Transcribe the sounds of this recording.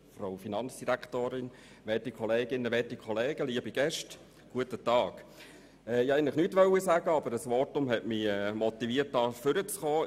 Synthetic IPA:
froʊfinɑnt͡sd̥iɾækʰtoːɾɪn | ʋɛtikχɔleːɡɪnːəʋɛtikχɔleːɡ̥əliəbiɡ̥ɛʃt | ɡ̥uətətɑːk | ɛɪhɛɪnlɪχnyːtʋœwːisæːɡəɑbəɾəsʋɔtʊmhɛtmiɛːmɔt̪iʋiːət̚dɑːfʏɾət͡sχɔː

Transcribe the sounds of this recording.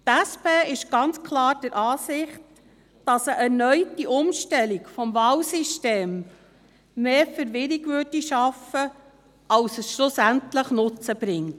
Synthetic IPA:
tæspeːɪʃɡ̥ɑnt͡skʰlɑːɾd̥əɾʔɑːsɪχt | d̥ɑsəʔɛɾnœʏtiʔʊmʃtɛlikfɔmvɑːlsisteːmː | eːfəɾʋɪɾɪɡʋøːdiʃɑfə | ɑlsəsʃlʊsæntləχnʊt͡səb̥ɾɪŋt

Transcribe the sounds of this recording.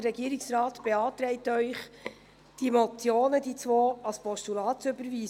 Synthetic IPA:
əɾɛɡiːɾɪksrɑːtb̥eɑːt̪ɾɛɪtœʏχ | d̥imɔtt͡sjoːnəd̥it͡sʋoːɑlspɔʃtulɑːtʏbəɾʋiː

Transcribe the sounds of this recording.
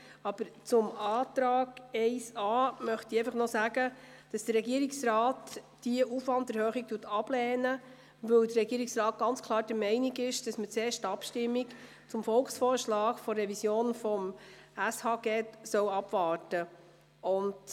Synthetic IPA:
ɑb̥əɾt͡sʊmɑːtɾɑːɡɛɪsɑːmœχt̪iɛɪfəχnɔsæɡə | d̥ɑsd̥əɾɛɡiəɾiksrɑːt | d̥iəʔufvɑnddəɾhøːχik̚tuːtɑb̥lɛːnə | ʋɵwdərɛɡ̥iːəɾiksrɑːt̚ɡ̥ɑnt͡skʰlˠɑːɾd̥əɾmɛɪniɡɪʃd̥ɑsmət͡seːʃtɑpʃtɪmːik | t͡sʊmfɔlksfɔoːɾʃlɑːkfɔrːɛvisjoːnfɔm | æshɑːɡ̥ɛtsœwɑb̥vɑːɾtə | ʊnd

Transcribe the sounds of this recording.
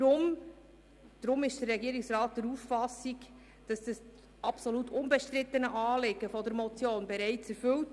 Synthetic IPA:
ɾʊm | d̥ɾʊmɪʃd̥ərːɛɡiəɾiksrɑːt̚d̥ɛɾuːffɑsik | d̥ɑsd̥ɑs | ɑpsolutʰʊnbəʃtɾɪt̪ːənəʔɑːlɪɡəfɔd̪əɾmɔt͡sjoːnbɛɾæɪt͡sɛɾfɵlt

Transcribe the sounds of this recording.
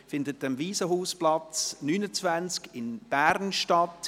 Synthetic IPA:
fɪndətəmviːsəɦuːsplɑt͡snyːnət͡svænt͡skɪnb̥æɾnʃtɑt

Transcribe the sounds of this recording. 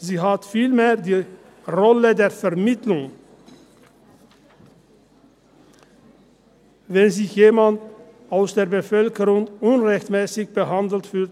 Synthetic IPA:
ziːɦatfiːlmeːɐdiː | ʁɔlədeːɐfɛɐmɪtlʊŋ | vɛnzɪçjeːmand | aʊsd̥eːɐbəfœlkəʁʊŋʔʊnʁɛçtmɛːsɪçb̥əɦandl̩tfyːlt

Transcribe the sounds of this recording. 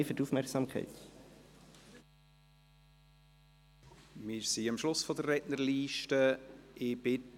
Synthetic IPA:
ɪfʏtufmɛɾksɑmkχɛ̰ɪt | mɪɾsiɑmʃlʊsfɔdərɛdnəɾliːʃtəɪb̥ɪ

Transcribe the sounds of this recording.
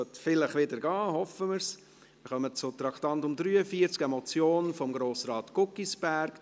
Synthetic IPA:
œtfɪləχʋɪdəɾɡɑːhɔfəməɾs | ɪχœmət͡sʊt̪ɾɑktɑntʊmdɾyːəfiːəɾt͡sɡɛmɔt͡sjoːnfɔmɡɾoːsɾɑːt̪kʊkːisb̥æɾk

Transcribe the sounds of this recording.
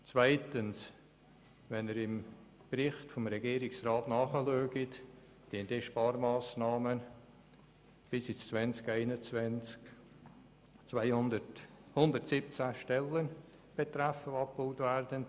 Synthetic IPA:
t͡svaɪtəns | vɛnəɾɪm | bɾɪχtfɔmɾɛɡiːɾɪksraːtnɑːχəløːɡit | d̥indɛʃpɑːɾmɑːsnɑːmən | b̥ɪsit͡st͡svɛnt͡skæɪnət͡svɛnt͡sk | t͡svaɪdhʊnd̪əɾtsɪp̚t͡sæʃtɛlən | b̥et̪ɾæfəɑp̚b̥oʊtværd̥ən

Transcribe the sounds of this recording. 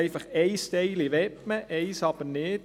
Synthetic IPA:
ɪfɑχɛɪst̪ɛɪliʋɛpməʔɛɪsɑb̥əɾnɪt

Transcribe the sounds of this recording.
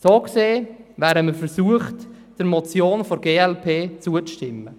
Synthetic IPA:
soːkseːvæːɾəməɾfəɾsuəχt | d̥əɾmɔt͡sjoːnfoɾɡeːɛlpʰeːt͡suəʃtɪmːə

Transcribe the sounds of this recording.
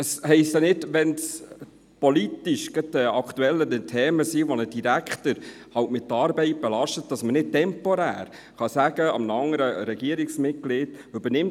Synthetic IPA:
əshɛɪst̪jɑnɪdʋɛns | politiʃɡ̥ət̚dəɑkχt̪uɛlːənətʰɛːməsiʋonəd̥iɾækχtəɾ | hɑwtmɪt̪ːəɑːɾbɛɪt̚b̥ɛlɑʃtət̚dɑsmənɪt̚tɛmpoɾæ̰ːɾ | χɑsæːɡəɑ̰mnəɑŋəɾəɾɛɡ̥iəɾɪksmɪt̚ɡ̥lɪt | ʉbəɾnɪm

